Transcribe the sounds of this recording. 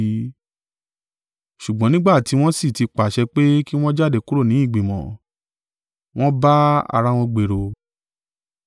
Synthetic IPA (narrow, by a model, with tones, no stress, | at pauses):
ʃu˨ɡ͡bɔ̃˨˦nĩ˦ɡ͡ba˦˨ti˨˧˦w̃ɔ̃˦si˦˨ti˧k͡pa˨ʃɛ˧k͡pe˦ki˦w̃ɔ̃˦d͡ʒa˦˨de˨ku˦ɾo˦˨nĩ˨˦i˦˨ɡ͡bĩ˨mɔ̰̃˨ | w̃ɔ̃˦ba˦a̰˧ɾa˦w̃ɔ̃˧ɡ͡be˨ɾo˧